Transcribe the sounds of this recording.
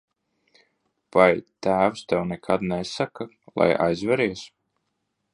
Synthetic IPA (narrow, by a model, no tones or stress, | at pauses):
v̥ajt̪æːwst̪ɛwnɛkʰad̪nɛsaka | lˠa̰ja̰jzvɛɾiɛs